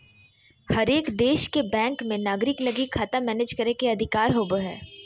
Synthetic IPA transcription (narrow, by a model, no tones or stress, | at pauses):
hɐɾeːkd̪eːʃkebɛ̃ːŋkmẽnaːɡɾɪklɐɡikʰaːt̪amɛːneːd͡ʒkɐɾekeɐd̪ʱɪkaːɾɦoːboɦɛ̰ː